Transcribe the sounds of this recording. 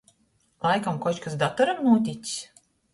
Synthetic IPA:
lˠajkamkɔt͡ʃkasd̪at̪ɔɾamnuɔt̪̬ʲit͡s̪ʲi̥s

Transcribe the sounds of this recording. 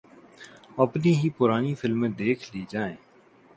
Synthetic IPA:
əpniːɦiːpʊɾaːniːfʰɪlmẽːd̪eːkʰliːd͡ʒaːẽː

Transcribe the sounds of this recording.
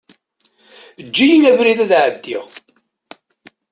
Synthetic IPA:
əd͡ʒːijinævɾiðæðʕəd̪ːiʁ

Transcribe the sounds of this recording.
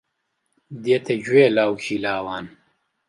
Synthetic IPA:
d̪eːt̪ʰed͡ʑweːlaːwɕilaːwaːn

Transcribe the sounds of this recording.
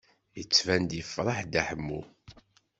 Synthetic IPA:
jət͡sːvænd̪jəfːɾˤɑħd̪aħəmːṵ

